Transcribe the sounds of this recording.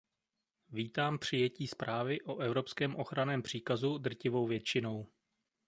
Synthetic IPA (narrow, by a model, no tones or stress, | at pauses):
viːt̪aːmpr̝̥ɪjɛciːspɾʔaːvɪʔo̞ʔɛvɾo̞pskɛːmʔo̞xɾanɛːmpr̝̥iːkazud̪r̩cɪvo̞wvjɛt͡ʃɪno̞w